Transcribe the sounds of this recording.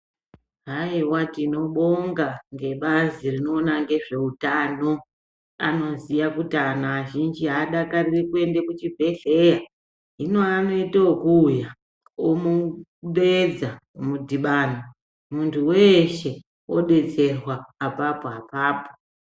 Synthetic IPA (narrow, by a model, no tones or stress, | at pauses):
ɦaiwatino̞ɓo̞ŋɡaŋɡe̞ɓazirino̞ːnaŋɡe̞ʐe̞utano̞ | ano̞zijakutanoaʒind͡ʒiɦaːɗakarirekue̞ndekut͡ʃibʱe̞ɬe̞ja | ino̞ano̞itookuːja | omuɓed͡zamudʱiɓaːna | muntʰuwe̞ʃe̞ | o̞ɗe̞d͡ze̞rwaːpapoapaːpo̥